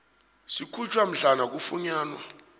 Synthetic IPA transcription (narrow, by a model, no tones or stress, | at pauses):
sikʰut͡ʃʰʼwam̩ɮanak̬ufuɲaːnwa̰